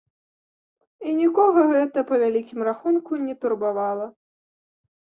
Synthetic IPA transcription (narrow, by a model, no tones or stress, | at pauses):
inʲikɔɣɐɣɛt̪ɐpɐvʲalʲikʲimraxunkunʲɛt̪urbavalˠɐ